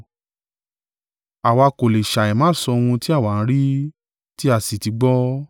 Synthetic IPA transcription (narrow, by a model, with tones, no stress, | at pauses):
a˨wa˧ko˨le˨ʃa˨ɛ˨mã˨˦˨sɔ˧w̃ũ˧ti˦a˦˨wa˨˦˨ñ̩˦ɾi˦ | ti˦a˦˨si˨ti˨˧˦ɡ͡bɔ˦